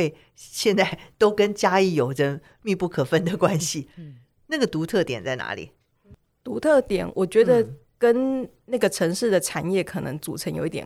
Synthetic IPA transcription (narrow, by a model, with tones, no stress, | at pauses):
e˥˧ɪ | ɕjɛ˥˧nt͡sa˥˩ɪt̪o˥ʊkə˦nt͡ɕja˥i˥˩jo˨˩ʊʈ͡ʂə˥˧ | mi˥˧pu˥˩kʰɤ˨˩fə˥nd̪ə˨kwa˦nɕi˨ | na˥˩ɡə˩t̪u˧˥t̪ʰɤ˥˨˩t̪jɛ˨˩nt͡sa˥˩ɪna̰˧˥lḭ˨˩˦ | t̪u˧˥t̪ʰɤ˥˩t̪jɛ˨˩˦nwʔɔ˨˩t͡ɕɥɛ˧˥d̪ə˧ | kə˥n | na˥˩ɡə˩ʈ͡ʂʰɤ˧˥ŋʂɻ̩˥˩d̪ə˩ʈ͡ʂʰa˨˩njɛ˥˩kʰɤ˨˩nɤ̰˧˦˥ŋt͡su˨˩ʈ͡ʂʰə˧˦nŋjo˨˧ʊi˥t̪ʲjɛ̰˨